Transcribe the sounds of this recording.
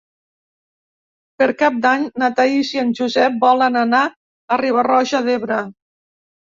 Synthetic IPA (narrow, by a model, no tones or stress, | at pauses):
peɾkap̚d̪aɲnat̪aisiənʒuzɛp̚bɔlanana | ariβ̞arɔʒaðeβɾə